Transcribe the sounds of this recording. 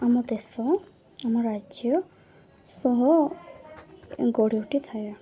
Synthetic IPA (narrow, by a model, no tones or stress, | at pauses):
amɔd̪esɔ | amɔɾːad͡ʒjɔ | sɔɦɔ | ɡɔɽioʈit̪ʰajɔ